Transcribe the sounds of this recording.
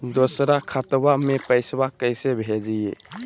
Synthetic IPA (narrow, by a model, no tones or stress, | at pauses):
d̪osɾakʰət̪bamepəɪsbakəɪsebʱed͡ʒije